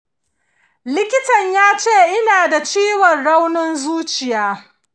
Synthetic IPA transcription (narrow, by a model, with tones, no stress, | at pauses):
lɪ˦kʲɪ˦tɐ˨ɲjaː˦t͡ʃeː˦˨ʔɪ˦naː˨da˨t͡ʃiː˦wɔ˨nɽa˦wnɔ˦nzuː˦t͡ʃɪ˨jaː˦